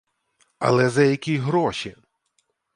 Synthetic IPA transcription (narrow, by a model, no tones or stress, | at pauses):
ɐ̰lˠɛzɐjɐkʲiɦɾɔʃi